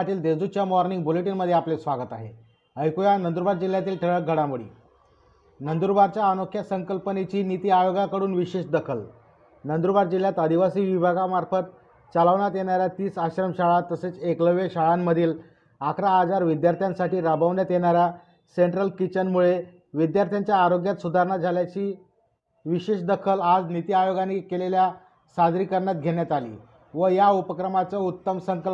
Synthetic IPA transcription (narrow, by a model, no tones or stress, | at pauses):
aʈiːld̪ed͡zut͡ɕjamɔɾniŋɡbuleʈinməd̪ʱːjeaplesʋaɡət̪aɦḛ | əjkujanənd̪uɾbaɾd͡ʑil̤ːjat̪iːlʈʰəɭək̚ɡʱəɽamuɭḭː | nənd̪uɾbaɾt͡ɕjaːnokʰːjasəŋkəlpənet͡ɕiːnit̪iːajoɡakəɾuːnʋiɕeɕd̪əkʰəl | nənd̪uɾbaɾd͡ʑil̤jat̪əd̪ʱiʋasiːʋibʱaɡamaɾfət̪̚ | t͡saləʋɳat̪jeɳaɾjat̪iːsaɕɾəmɕaɭat̪əset͡sekləʋeɕaɭamːəd̪ʱiːl | akʰɾaːd͡zaɾʋid̪jaɾt̪ʰjãnsaʈiːɾabʱəʋɳjat̪jeɳ̃aɾja | seɳʈɾəlkit͡ɕənmuɭe | ʋid̪jaɾt̪ʰjaɲt͡ɕjaːɾoɡjat̪sud̪ʱaɾɳad͡zʱaljat͡ɕiː | ʋiɕeɕd̪əkʰəlad͡znit̪iajoɡanikelelja | sad͡z̪ɾiːkəɾɳjat̪̚ɡʱeɳjat̪alḭː | ʋəjaupəkɾəmat͡səut̪ːəmsəŋkəl